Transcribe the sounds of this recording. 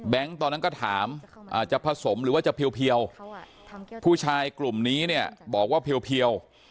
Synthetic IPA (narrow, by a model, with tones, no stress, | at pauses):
bɛ˦˥ŋt̪ɔː˧nːa˦˥nkɔ˥˩t̪ʰaː˩˦mʔaː˨˩t͡ɕa˨˩pʰa˧so˩˦mɾɯː˩˦waː˥˩t͡ɕa˨˩pʰi˧əwpʰi˧əw | pʰuː˥˩t͡ɕʰaː˧jklu˨˩mniː˦˥ni˥˩ɐbɔː˨˩k̚waː˥˩pʰi˧əwpʰi˧əw